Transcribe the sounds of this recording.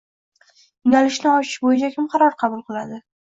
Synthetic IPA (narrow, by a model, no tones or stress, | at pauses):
jɪŋʲalɪʃnɪɒt͡ʃʰɪ̥ʃbojad͡ʒakʲʰɪmqʰɑɾɒɾqʰɑbʊlˠqɨlˠad̪ɪ